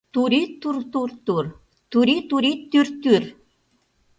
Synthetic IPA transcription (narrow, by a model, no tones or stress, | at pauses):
t̪uɾit̪urt̪urt̪ur | t̪uɾit̪uɾit̪ːyrt̪yr